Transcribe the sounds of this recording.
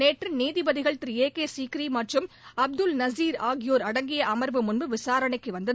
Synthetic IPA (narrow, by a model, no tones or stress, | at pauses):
neːʈrɯniːðɪbɐðɪɣɐɭt̪ɾɪeːkeːsiːkɪɾimɐʈrɯm | ɐb̚d̪ɯlnɐsiːɾaːɣɪjoːɾɐɽɐŋɡɪjɐʔɐmɐɾʋɯmʊnbɯʋɪsaːɾɐɳɐɪkːɯʋɐnd̪ɐð